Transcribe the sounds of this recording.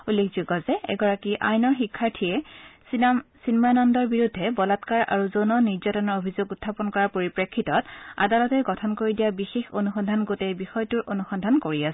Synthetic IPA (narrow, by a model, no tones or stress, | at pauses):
ulːekʰzuɡɔzɛɛ̰ɡɔɹakiʔa̰jnɔɹxikʰːaɹtʰijɛssinmanɔndɔɹbiɹudʱːɛbɔlatkaɹa̰ɹuzonɔniɹzatɔnɔɹobʱizoɡutʰːapɔnkɔɹapoɹipɹekʰːitɔta̰dalɔtɛɡɔtʰɔnkoɹidijabixexonuxɔndʱanɡotɛbixɔjtuɹʔonuxɔndʱankoɹias